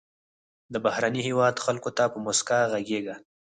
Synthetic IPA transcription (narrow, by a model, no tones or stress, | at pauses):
d̪əbahɾanihewɑd̪xalkot̪apəmʊskaɣaɡeɡa